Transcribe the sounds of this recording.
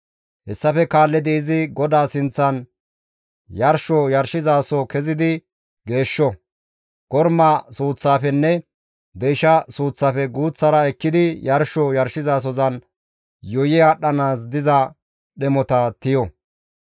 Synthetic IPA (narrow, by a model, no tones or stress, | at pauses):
hɛsːɐfɛkaːlːɛd̪ɛɪzɪɡɔd̪aːsɪnt͡sːɐn | jɐɾʃɔjɐɾʃɪzaːsɔkɛzɪd̪ɪ | ɡe̞ːʃːɔ | ɡ̥ɔɾmɐsuːt͡sːaːfɛnːɛ | d̪ɛjʃɐsuːt͡sːaːfɛɡuːt͡sːɐɾɐɛkːɪd̪ɪjɐɾʃɔjɐɾʃɪzaːs̬ɔzɐn | jɔjɪaɗːɐnaːs̬d̪ɪzɐ | ɗɛmɔt̪ɐt̪ɪjɔ